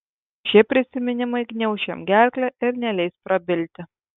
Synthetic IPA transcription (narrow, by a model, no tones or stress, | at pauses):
ʃʲiɛpʲɾʲɪsʲɪmʲɪnʲɪmɐɪɡnʲɛʊʃʲɛ̰mɡʲæˑlʲklʲɛɪɾnʲɛlʲɛɪspɾɐbʲɪlʲt̪ʲɪ